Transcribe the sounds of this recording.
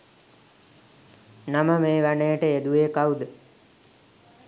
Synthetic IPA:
naməmeːʋanəjəʈəed̪ueːkawud̪ə

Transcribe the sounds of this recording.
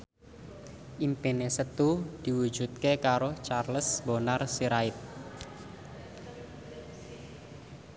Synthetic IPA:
ʔimpenesət̪ud̪̥i̤wu̥d͡ʒ̥ut̪̚kekaɾot͡ʃarləsbonarsiɾaɪt̪̚

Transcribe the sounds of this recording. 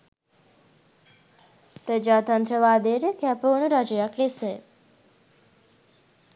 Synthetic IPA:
pɾəd͡ʒaːt̪ɐnt̪ɾəʋaːd̪eɾəkɛpoːnuɾad͡ʒəjaklisəj

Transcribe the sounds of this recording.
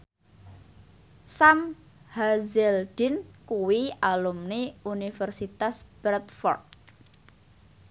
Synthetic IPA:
sam | hazɛld̪̥inkuwialumniunifərsit̪asb̥ɾɛt̪fɔ̰rd̪̚

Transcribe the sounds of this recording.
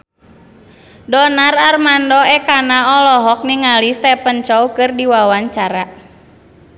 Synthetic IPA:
dɔnararmandɔɛkanaɔlɔɦɔk̚niŋalist̪ɛpənt͡ʃɔukɨrdiwawaɲt͡ʃaɾa

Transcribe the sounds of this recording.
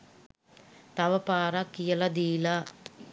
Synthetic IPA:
t̪ɐʋɐpaːɾɐkijɐlɐd̪iːla

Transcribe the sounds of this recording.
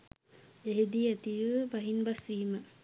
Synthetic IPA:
eɦed̪iæt̪iʋəbaɦinbasʋiːmə

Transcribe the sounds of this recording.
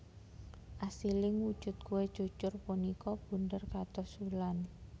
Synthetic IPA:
ʔasilɪŋwud̥ʒ̥ʊ̤t̪̚kuwed̥ʒ̥ut͡ʃʊrpunikɔb̥ṳndərkat̪ɔsulan

